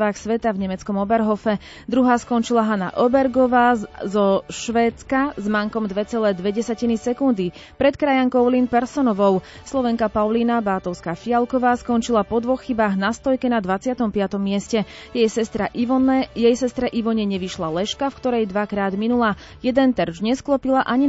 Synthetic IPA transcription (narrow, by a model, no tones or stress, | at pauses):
ʋaːxsʋɛt̪avɲɛmɛt͡skɔmɔbɛɾɦɔfɛ | d̪ɾuɦaːskɔnt͡ʃilaɦana̰ʔɔbɛɾɡɔʋaːzɔʃʋɛːt͡skazmaŋkɔmd̪ʋɛt͡sɛlɛːd̪ʋɛɟɛsacinisɛkund̪i | pɾɛt̪kɾajaŋkɔʊlinpɛɾsɔnɔʋɔʊslˠɔʋɛŋkapaʊliːnabaːt̪ɔʊskaːfialkɔʋaːskɔnt͡ʃilapɔd̪ʋɔxːibaːɣnast̪ɔjkɛnad̪ʋat͡sɪat̪ɔmpɪat̪ɔmːɪɛscɛjɛjsɛst̪ɾaʔiɔnɛjɛjsɛst̪ɾɛʔiʋɔɲɛɲɛʋiʃlalɛʃkafkt̪ɔɾɛjd̪ʋakɾaːd̪minulaː | jɛd̪ɛnt̪ɛɾd͡ʒɲɛsklɔpilaʔaɲi